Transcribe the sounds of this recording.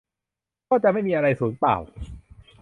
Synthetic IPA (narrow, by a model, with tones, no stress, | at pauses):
kɔː˥˩t͡ɕa˨˩ʔma˥˩jmiː˧ʔa˧ɾa˧jsuː˩˦npla̰ː˨˩w